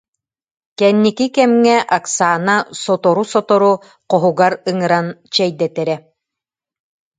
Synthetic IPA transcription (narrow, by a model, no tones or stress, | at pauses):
kɛnːikikɛmŋɛʔaksaːnasɔt̪ɔɾusɔt̪ɔɾu | qɔɦuɡaɾɯŋɯɾant͡ɕɛjd̪ɛt̪ɛɾɛ